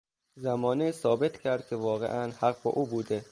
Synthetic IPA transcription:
zæmɒːnisɒːbe̞t̪ʰcʰʲæɾd̪̥̚kʰʲevɒːɣḛʔænhæɣ̚bɒ̰ːʔuːbuːd̪e

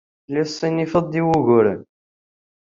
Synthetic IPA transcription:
lisˤːinifəðˤiwuɣʊɾə̰n

